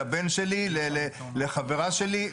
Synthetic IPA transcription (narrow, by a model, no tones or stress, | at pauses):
abenʃelilele | leχaveʁaʃeli